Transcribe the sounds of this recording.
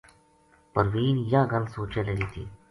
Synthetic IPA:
pəɾʋiːnjaːɡɐlsoːt͡ʃeleliːt̪ʰḭː

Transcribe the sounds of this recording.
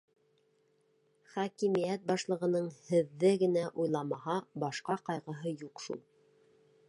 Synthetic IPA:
χækimijæt̪̚bɑʃlˠɤ̆ʁɤ̆nɤɴhɘ̆ðːɘɡɘ̆næʔujlˠɑmɑhɑbɑʃqɑqɑjʁɤ̆ɦɤjuqʃṵlˠ

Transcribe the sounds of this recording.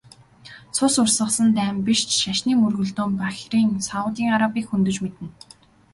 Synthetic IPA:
t͡sʰʊsʊrsə̆χsə̆nt̪æːmpiʃt͡ɕʃaʃniːmɵrɣɵ̆ɮt̪oːmpaxʲriːŋsaʊt̪iːŋaɾapiːkxunt̪ɵ̆t͡ɕmet̪ɘ̆n

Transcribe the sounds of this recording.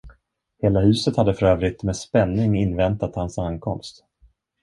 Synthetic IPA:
heːlahʉ̟ːsət̪had̪ːəfœɾøːvɾɪt̪mɛspɛnːɪŋɪnːvɛnt̪at̪hansankʰɔmst̪

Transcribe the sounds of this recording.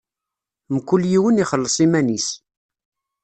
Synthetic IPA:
mkːulːjiwəniχəlːəsˤimænis

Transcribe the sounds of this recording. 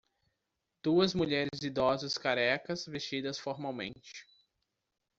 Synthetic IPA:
d̪̥uɐzmuʎɛɾɪɪzid̪ɔzɐskaɾɛkɐsvest͡ʃid̪ɐsfoɾmawmḛ̃nt͡ʃɪ̥

